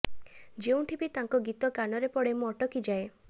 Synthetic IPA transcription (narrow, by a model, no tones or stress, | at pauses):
d͡ʒeũʈʰibit̪aŋkɔɡit̪ɔkanɔɾepɔɽemũɔʈɔkid͡ʒae